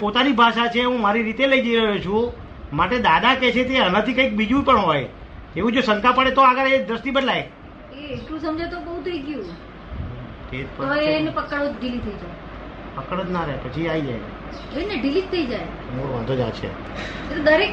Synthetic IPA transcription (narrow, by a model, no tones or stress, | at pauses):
pot̪anibʱaʃat͡ʃʰeɦũmaɾiɾit̪eləid͡ʒiɾəɦut͡ʃʰũ | maʈed̪ad̪akɛt͡ʃʰet̪eɦənat̪ʰikəik̚bid͡ʒũpəɳɦoj | eʋũd͡ʒosəŋkʰapəɽet̪oaɡəɾed̪ɾəst̪ibəd̪laj | eːʈlũsəmd͡ʒajt̪obəɦũt̪ʰəiɡjũ | t̪et̪pəenepəkəɽod͡ʒɖilit̪ʰəid͡ʒaj | pəkəɽəd͡ʒnaɾəɦepət͡ʃʰiaid͡ʒa̰j | eneɖilit̪ʰːəid͡ʒaj | moɾoʋəd̪ʱod͡ʒa̰t͡ʃʰḛ | et̪od̪əɾek